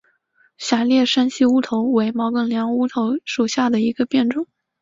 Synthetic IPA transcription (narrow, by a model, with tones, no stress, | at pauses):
ɕja˨˩ljɛ˥˩ʂa˥nɕi˥u˥t̪ʰo˧˥ʊwe˧˥ɪmɑ˧˥ʊkə˥˩ŋljɑ˧˥ŋu˥t̪ʰo˧˥ʊʂu˨˩ɕja˥˩d̪ə˩i˧˥ɡə˧pjɛ˥˩nʈ͡ʂʊ˨˩˦